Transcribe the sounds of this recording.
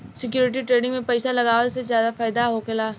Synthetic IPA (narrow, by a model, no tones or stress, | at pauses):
sɪk̬juːɾɪʈ̬iʈɾeːɖɪ̃ŋɡmẽpɛɪsalɐɡaːʋəlsezjaːd̪afaːɪd̪aɦoːkelaː